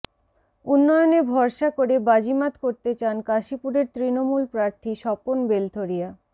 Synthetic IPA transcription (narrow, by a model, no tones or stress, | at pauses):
unːɔjonebʱɔɾʃakoɾebad͡ʑimat̪koɾt̪et͡ɕankaʃipuɾeɾt̪ɾinomulpɾaɾt̪ʰiʃɔponbelt̪ʰoɾija